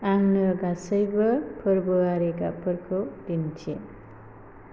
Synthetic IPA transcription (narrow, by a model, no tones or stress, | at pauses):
aŋnʌɡasʌjbʌpʰʌɾboaɾekapʰʌɾkʰodint͡ʃʰḭ